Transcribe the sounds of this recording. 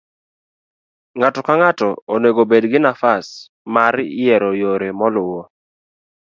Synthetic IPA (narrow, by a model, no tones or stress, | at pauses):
ŋatɔkaŋatɔoneɡobedɡɪnafas | maɾjɛɾɔjoɾemɔlʊwo